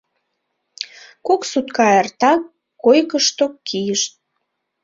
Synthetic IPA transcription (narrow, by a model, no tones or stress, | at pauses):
koksut̪̚kɑert̪ɑkː | ojkəʃt̪okkːijəʃt̪̚